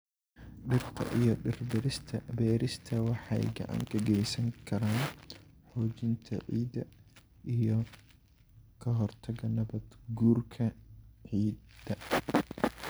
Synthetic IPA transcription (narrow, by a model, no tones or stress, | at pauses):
ɖɪrt̪ʰɐ̰ʔijɔɖɪrbɾɪt̪ʰɐbɛːɾɪst̪ʰɐwɑħɑjɡɐ̰ʔa̰ːŋɡɐɡɛjsɐŋkʰɐɾaːnħɔːt͡ʃɪnt̪ʰɐ̰ʕiːd̪ɐ | ʔijɔ | kʰɐɦɔrt̪ʰɐɣɐnɐβɐd̪ɡuːrkʰɐʕiːd̪ɐ